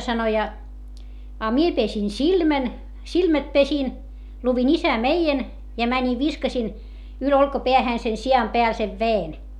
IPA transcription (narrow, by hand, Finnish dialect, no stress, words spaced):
sɑno jɑ ɑ mie pesin silmæn silmæt pesin luʋin isæmeijen jɑ mænʲi ʋiskɑsin yl olkɑpeæhæˑn se siɑm peæl seʋ ʋeen